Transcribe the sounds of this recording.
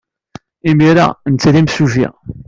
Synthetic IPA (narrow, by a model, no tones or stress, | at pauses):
imiɾa̰nt͡sːɾimsuʒḭ